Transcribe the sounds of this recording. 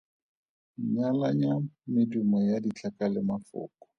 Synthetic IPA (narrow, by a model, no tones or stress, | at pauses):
ɲalaɲamɪdumɔjadit͡ɬʰakalɪmafʊ̰ːkɔ̥